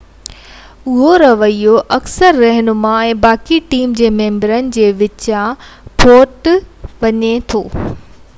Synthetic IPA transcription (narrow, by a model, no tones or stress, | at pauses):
ʊɦoɾɐʋəijoʔɐksəɾːɐɦɪnʊ̆mãẽːbaːkiʈiːmd͡ʑeːmẽːmbəɾənɪ̆d͡ʑeːʋɪt͡ɕãpʰoːʈʋɐɲet̪ʰoː